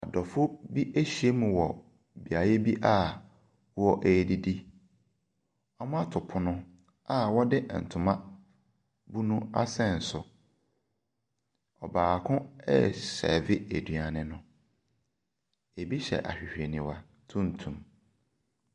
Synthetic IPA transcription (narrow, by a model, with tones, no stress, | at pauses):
a˨dɔ˨fʊ˦bi˦ʔe˦ɕi˨˦e˦mũ˨wɔ˨ | bi˨a˨je˦bi˦ʔa˦˨˦ | ɔ˦ʔe˨di˦di˦ | ɔ˦m˦a˦tʰʊ˨pʰʊ˨nʊ̃˦ | a˦wɔ˦dɪ˦ʔn̩˨tʰʊ̃˨mã˦ | bu˦nũ˦a̰˦sɛ̃˦˨n̩˨sʊ˨ | ɔ˨baː˨kʰʊ̃˦ɛ̰˦sɛ̰˨vɪ˦e˨dɥa˨nɪ̃˦nʊ̃˦ | e˨bi˦ɕɛ̰˨ʔa̰˨ɕᶣi˨hᶣe˨nĩ˨wa˨ | tʰũ˦n̩˨tʰũ˨m